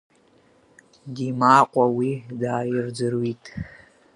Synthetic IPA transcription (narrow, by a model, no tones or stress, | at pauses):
dimaːqʷʼawidaːjɪrd͡zɨrwitʼ